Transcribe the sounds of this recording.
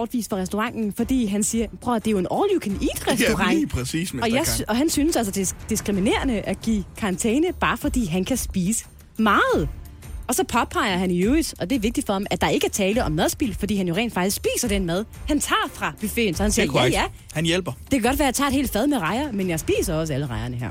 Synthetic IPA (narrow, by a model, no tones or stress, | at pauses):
bɒːd̥ʋḭːsfɒʁɛsd̥oʁɑ̈ŋ̰n̩fɒ̽d̥ḭːɦænsiːɐb̥ʰʁɔd̥e̝jo̝e̝nʔɒːljukʰenḭd̥ʁɛsd̥oʁɑ̈ŋ̰ːpʰʁɛsḭːsmɒ̽jɑɪɒ̽ɦænsynəsæls̬əd̥e̝d̥isɡ̥ʁimine̝̰ːɐnəʔæɡ̥ḭːkʰɑ̈ɑnt͡sʰeːnəb̥ɑ̈ːfɒ̽d̥ḭːɦænkʰæsb̥iːsə̥ | mɑ̈ːð̞̩ˠ | ɒ̽sɒ̽pʰɒ̽pʰɑ̈ɪɐɦæniøːid̥ʔɒ̽d̥e̝æɐʋe̝ɡ̥̚d̥id̥fɒ̽hɑmæd̥ɑ̈e̝ɡ̥əæt͡sʰɛːləʔɒ̽mmæð̞ˠsb̥ilfɒ̽dḭːhænjo̝ʁḛːnd̥fɑ̈ɡ̥isɡ̥sb̥ḭːsɐd̥en̰mæð̞ˠhænt͡sʰɑ̰̈ːfʁɑ̈b̥yfe̝̰ːnsɒ̽hænsiːɐɐjjæ | hænjel̰b̥ɐd̥e̝kʰæɡ̥ɒ̽ɾʋæːɐjɑ̈t͡sʰɑ̈e̥hḛːld̥fæð̞ˠmeʁɑ̈ɪɐmenjɑ̈ɪsb̥ḭːsɐɒ̽s̬æləʁɑ̈ɪɐnəɦæɐ̰